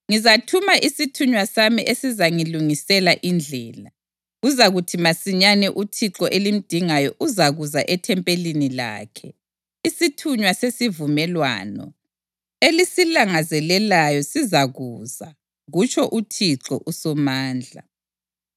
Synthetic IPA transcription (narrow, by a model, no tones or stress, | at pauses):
ŋizatʰumaʔisitʰuɲwasamiʔesizaŋiluŋisɛlaʔind͡ɮʱɛːla | ɣuzaɣutʰimasiɲanɛʔutʰiǁɔʔelim̩d̥ʱiŋajɔʔuzaɣuzaʔɛtʰɛmpʼelinila̰ːkʰɛ | isitʰuɲwasesivumɛlwa̰ːnɔ̰ | elisilaŋazɛlɛlajɔsizaɣuːza | ɣut͡ʃʰʼɔʔutʰiǁɔ̰ʔusɔmaːnd͡ɮʱa̰